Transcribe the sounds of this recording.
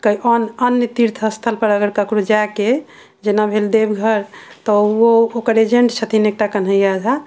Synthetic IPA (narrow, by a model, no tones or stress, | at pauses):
kəiʔənənjət̪iɾt̪ʰəst̪ʰəlpəɾəɡəɾkəkɾod͡ʒake | d͡ʒenabʱeld̪ebɡʱəɾt̪ɔookəɾed͡ʒeɳʈt͡ʃʰət̪ʰinek̚ʈakən̤ɦəjjad͡ʒʱa